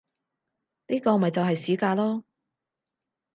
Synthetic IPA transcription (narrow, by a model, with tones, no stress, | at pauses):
niː˥kɔː˧˨mː˨ɐ˨jt͡sɐ˨wɦɐ˨jsiː˨˥kaː˧lɔː˥